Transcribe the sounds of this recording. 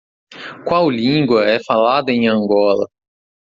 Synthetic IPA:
kwawlĩɡwɐɛfalad̪ɐẽj̃ɐ̃ŋɡɔlɐ̰

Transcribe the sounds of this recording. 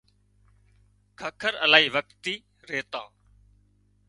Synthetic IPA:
kʰəkʰəɾəlaːiːʋək̚t̪iː | ɾeːt̪ã̰ː

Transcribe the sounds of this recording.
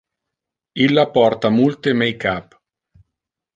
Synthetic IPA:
ilːapɔrt̪amult̪emɛjkap

